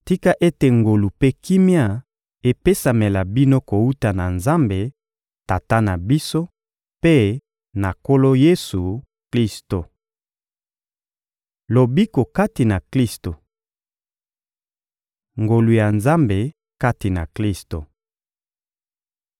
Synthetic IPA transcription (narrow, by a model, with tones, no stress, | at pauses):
ti˦ka˦ʔe˦te˨ŋɡo˨lu˨pe˦ki˦mja˦ | e˨pe˦sa˨me˨la˨bi˦no˦ko˨u˦ta˨na˨nza˦mbe˨ | ta˨ta˦na˨bi˦so˦ | pe˦ | na˨ko˦lo˦je˦su˨ | kli˦sto˨ | lo˨bi˦ko˨ka˦ti˨na˨kli˦sto˨ | ŋɡo˨lu˨ja˨nza˦mbe˨ | ka˦ti˨na̰˨kli˦sto˨